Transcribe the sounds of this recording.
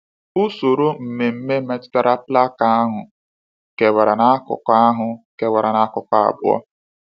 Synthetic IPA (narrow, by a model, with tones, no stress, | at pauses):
ʊ˦so˨ɾo˦m̩˨me˨m̩˦me˦me˦tɪ̥˦ta˦ɾa˦pla˦ka˦a˦ɦʊ˨ | ke˨wa˨ɾa˨na˦kʊ̰˨kɔ˦a˦ɦʊ˨ke˨wa˨ɾa˨na˦kʊ˨kɔ˦a̰˨bʊ˦ɔ̰˦